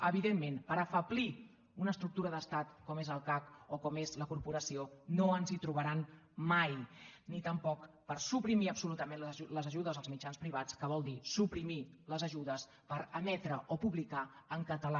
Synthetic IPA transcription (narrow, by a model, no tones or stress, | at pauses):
əβ̞iðemːenpəɾəfəpli | unəːst̪ɾuk̚t̪uɾəðəst̪at̪kɔmezəlˠkakokɔmezləkuɾpuɾəsionoənzit̪ɾuβəɾan | majnit̪əmpɔk | pəɾsupɾimiəpsulut̪əmẽnlləzəʒuðəzəlˠzmid͡ʒanspɾiβ̞at͡skəβ̞ɔlˠd̪isupɾimiləzəʒuðəs | pəɾəmɛt̪ɾəʔopuβlikaəŋkət̪əla